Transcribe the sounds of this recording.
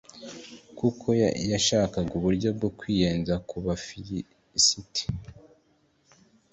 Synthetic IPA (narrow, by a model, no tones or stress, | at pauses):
kukʰo̞jaʃaːkaɡuβuɾɟo̞b̚ɡokwiːjeːnzakuβafiji | sitʰi̥